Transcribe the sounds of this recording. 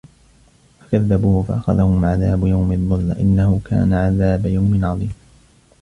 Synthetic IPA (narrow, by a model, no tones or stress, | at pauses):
fḁkaðːabuːhfa̰ʔaxa̰ðahʊmʕaðaːbjawmɪðˤːʊlːa̰ʔɪ̰nːahʊka̰ːnaʕaðaːbajawmɪnʕɑðˤiːm